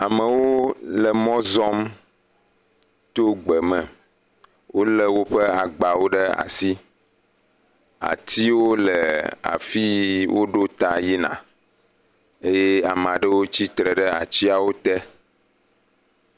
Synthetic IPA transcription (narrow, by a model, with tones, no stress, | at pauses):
a˨mə˨wo˦lɛ˨mɔ̃˦zɔ˦m | t̪o˦ɡ͡bɛ˨mɛ̃˨ | wʔo˦lɛ˦wo˦ɸɛ˦a˨ɡ͡ba˨wo˦ɖə˦a̰˨si˦ | a̰˨t̪i˦wo˦lɛ˨a̰˨fi˦wo˦ɖo˦t̪a˨ji˦nã̰˨ | e˦je˦a˨m˨a˨ɖə˦wo˦t͡ɕi˦t̪ɾɛ˨ɖɛ˦a̰˨t͡ɕi˦a˨wo˦t̪ɛ˦